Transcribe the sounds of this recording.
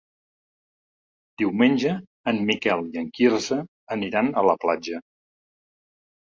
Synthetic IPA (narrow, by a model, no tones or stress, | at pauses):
d̪̥iwmenʲʒəː | nmikɛlˠiəŋkiɾzəː | niɾanələplad͡ʒə